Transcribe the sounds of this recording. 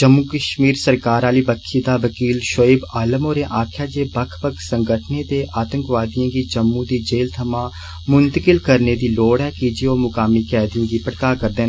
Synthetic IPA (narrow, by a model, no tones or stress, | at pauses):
d͡ʒəmːuːkəʃmiːɾsəɾkaːɾaːliːbəkʰːid̪aːʋəkiːlʃoːɪbaːləmoːɾẽʔaːkʰjaːd͡ʒeːbəkʰbəkʰsə̃ŋɡəʈʰneːt̪eːʔaːt̪ə̃ŋkʋaːd̪ijãːɡiːd͡ʒəmːũd̪iːd͡ʒeːlt̪ʰəmãː | mʊnt̪əkɪlkəɾneːd̪iːloːɽɛːkiːd͡ʒioːmʊkaːmiːkɛːd̪iõːɡ̪iːpəʈkaːkəɾd̪eːn